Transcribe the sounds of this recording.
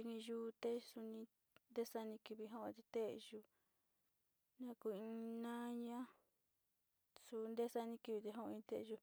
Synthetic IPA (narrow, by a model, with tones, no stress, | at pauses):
i˧nĩ˧ʒu˦˧t̪e˦su˧nĩ˧ | nd̪e˦sa˦˧nĩ˧ki˧βi˧ɦõ˦˧t̪e˧t̪e˦ʔʒu˧ | nã˦˧ku˧ĩ˧nã˦ɲã˦ | su˧nd̪e˦sa˦nĩ˧˦ki˧βi˧t̪e˧ɦõ˦˧ĩ˧t̪e˦ʔʒu˧